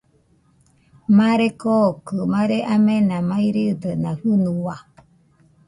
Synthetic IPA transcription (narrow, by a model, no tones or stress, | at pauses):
maɾekokɯmaɾeʔamenamaiɾid̪ənahɨnuwa